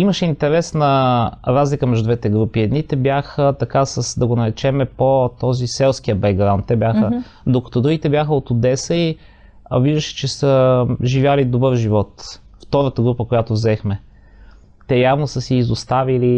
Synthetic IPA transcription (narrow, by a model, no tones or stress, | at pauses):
iməʃɛint̪ɛɾɛsnɐɾazlikəmɛʒd̪ʊd̪vɛt̪ɛɡɾupiɛd̪nit̪ɛbjaxət̪ɐkasəsd̪ɐɡonɐɾɛt͡ʃɛmɛpot̪ɔzisɛlˠsk̟ijəbɛɡɡɾaʊnt̪ːɛbʲjaxə | d̪okɐ̥t̪ɔd̪ɾuɡʲit̪ɛbjaxəot̪ʊd̪ɛsəi | viʒd̪əʃɛ̥t͡ʃɛsəʒivʲjalid̪obɤɾʒivɔt̪ | ft̪ɔɾət̪əɡɾupəkojat̪ovzɛxmɛ | t̪ɛjavnosəsiːzost̪avili